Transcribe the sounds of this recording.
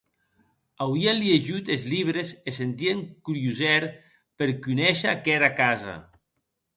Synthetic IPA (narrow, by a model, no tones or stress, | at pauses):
awianlieʒut̪ezliβ̞ɾesesent̪ieŋkuɾjuzɛɾ | peɾkunɛʃakɛɾakaza̰